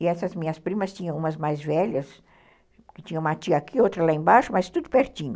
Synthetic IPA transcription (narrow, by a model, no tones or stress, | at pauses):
ɪɛsɐzmĩɲɐspɾĩmɐst͡ʃĩɲɐ̃w̃ũmɐzmajzvɛʎɐs | kɪt͡ʃĩɲɐ̃ũmɐt͡ʃiɐakʰiot̪ɾɐlaẽbaʃʊmɐst̪ud̪ʊpeɾt͡ʃĩɲʊ